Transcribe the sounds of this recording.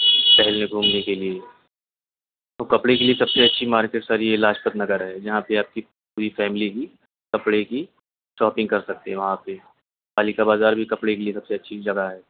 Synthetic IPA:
pɛɦɛlmeɡʱuːmnekelie | t̪oːkɐpɽekeliesɐbseɐtːʃʰimaːɾkeʈsaɾielaːʃpət̪nɐɡəɾɦɛːd͡ʒɐɦãpeaːp̚ki | puːɾifɛːmɪliki | kɐpɽeki | ʃɔːpɪ̃ŋɡkɐɾsɐk̚t̪eɦɛ̃ʋɐɦãpe | paːlikabaːzaːɾbʱikɐpɽekeliesɐbseɐtːʃʰid͡ʒɐɡaɦɛː

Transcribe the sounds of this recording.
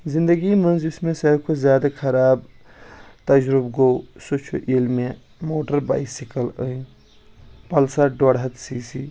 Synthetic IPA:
zĩnd̪əɡimənzismesəɾkozjad̪akʰəɾab | t̪əd͡ʒɾubɡosut͡ʃʰoʔilme | moʈəɾba̰ɪsikələĩ | pəlsaɖoɽɦət̪sisi

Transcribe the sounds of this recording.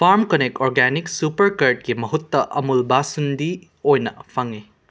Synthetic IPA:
pʰaɾmkonekoɾɡɛniksupɐɾkɐɾt̚kimɐɦutːɐʔɐmulbasundi | ojnɐpʰɐŋe

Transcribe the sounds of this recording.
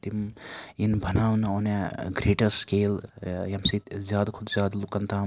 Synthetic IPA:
t̪imjinbʱɐnaːwnɐoneɡɾeːʈɐɾskeːljɐmsit̪zjaːd̪kʰud̪zjaːd̪lukɐnt̪ʰam

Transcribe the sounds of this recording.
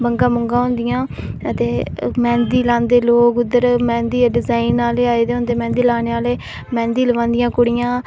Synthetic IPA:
bəŋɡãːmʊŋɡãːɦõːnd̪ɪjãː | ət̪eːmɛ̃ːnd̪iːlãːnd̪eːloːkʊd̪əɾmɛ̃ːnd̪iːɖɪzaːinaːleːaːeːd̪eːɦõːnd̪eːmɛ̃ːnd̪iːlaːneːaːleː | mɛ̃ːnd̪iːləʋãːnd̪ɪjãːkʊɽɪjãː

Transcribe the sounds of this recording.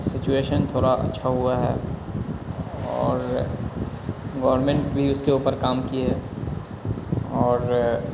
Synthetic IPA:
sɪt͡ʃueːʃənt̪ʰoːɽaʔɐ̰tːʃʰaɦʊaɦɛ̰ː | ɔːɾ | ɡɐːʋəɾmẽɳʈbʱiʊskeuːpəɾkaːmkieɦɛː | ɔːɾ

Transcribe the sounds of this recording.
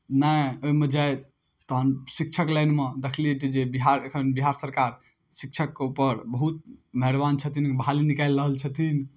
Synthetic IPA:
najoimed͡ʒae | t̪əɦənsik̚t͡ʃʰəklajnmed̪ekʰliet̪id͡ʒebiɦaɾekʰənbiɦaɾsəɾkaɾ | sik̚t͡ʃʰəkːeupəɾbəɦut̪̚məɦeɾbant͡ʃʰət̪ʰinbʱalinikajlɾəɦəlt͡ʃʰət̪ʰin

